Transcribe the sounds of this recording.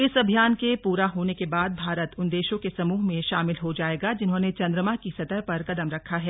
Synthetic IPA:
ɪsɐbʱijaːnkepuːɾaɦoːnekebaːd̪̚bʱaːɾət̪ʊnd̪eːʃõkesɐmuːɦmẽʃaːmɪlɦod͡ʒaːeːɡad͡ʒɪnɦõnet͡ʃɐ̃nd̪ɾəmakisɐt̪əɾpɐɾkɐd̪əmɾɐkʰːaɦɛː

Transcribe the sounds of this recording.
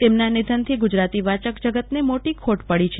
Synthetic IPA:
t̪emnanid̪ʱənt̪ʰiɡud͡ʒɾat̪iʋat͡ʃəkd͡ʒəɡət̪nemoʈikʰoʈpəɭit͡ʃʰe

